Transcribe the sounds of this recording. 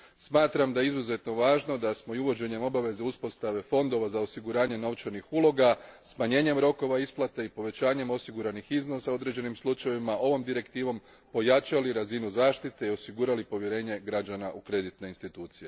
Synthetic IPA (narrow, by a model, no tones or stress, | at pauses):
smaːt̪ɾamd̪ajeizuze̞t̪no̞ʋaːʒno̞d̪asmoiuʋo̞d͡ʑe̞ɲe̞mo̞baʋe̞zeuspo̞st̪aʋe̞fo̞nd̪o̞ʋazao̞siɡuɾaːɲe̞no̞ʋt͡ʃaɾnixulˠo̞ɡasmaɲe̞ːɲe̞mɾo̞ko̞ʋaisplˠat̪eipo̞ʋe̞t͡ɕaːɲe̞mo̞siɡuɾanixizno̞sao̞d̪ɾe̞d͡ʑe̞nimslut͡ʃajeʋimaʔo̞ʋo̞md̪iɾe̞kt̪iːʋo̞m | po̞jat͡ʃaliɾazinuzaːʃt̪it̪e̞io̞siɡuːɾalipo̞ʋje̞ɾe̞ːɲe̞ɡɾad͡ʒanaʔukɾe̞d̪it̪ne̞inst̪it̪uːt̪sije̞